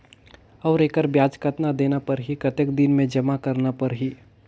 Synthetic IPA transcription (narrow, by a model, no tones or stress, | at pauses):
ɔːɾeːkəɾbjaːd͡ʒkət̪nad̪eːnapɐɾɦikɐt̪ekd̪ɪnmẽd͡ʒɐmakɐɾnapɐɾɦiː